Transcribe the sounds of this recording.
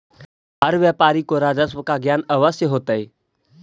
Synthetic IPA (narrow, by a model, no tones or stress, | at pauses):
ɦəɾʋjaːpaːɾikoɾaːd͡ʒəswəkaɡjaːnɐʋəsjəɦoːt̪aiː